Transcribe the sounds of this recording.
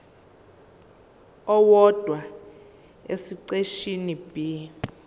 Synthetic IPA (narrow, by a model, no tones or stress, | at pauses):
ɔwɔd̥ʱwa | esiǀeʃinib̥ʱi